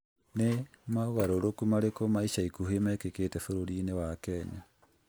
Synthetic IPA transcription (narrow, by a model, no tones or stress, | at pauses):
nemaoɣaɾoɾokumaɾekomaiɕaikuɦemɛkeketɛfoɾoɾinewakɛɲa